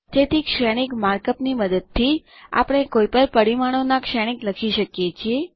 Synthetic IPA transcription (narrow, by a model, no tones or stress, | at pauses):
d͡ʒet̪ikʃɛɽ̃ikmaɾkəpniməd̪əd̪̚t̪ʰːi | a̰pɽ̃ekoipəlpəɽimaɽ̃onakʃɛɽ̃ikləkʰiʃəkjet͡ʃʰie